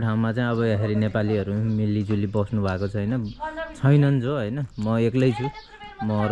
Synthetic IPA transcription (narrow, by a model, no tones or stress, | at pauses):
ʈʰaw̃mat͡saĩʌβʌaɦeɾinepaliʌɾumilːid͡zulibʌsnubʱakot͡sʰʌjnʌt͡sʰʌjnʌnt͡sʰoɦʌjnʌmʌeklʌjt͡sʰu | mʌ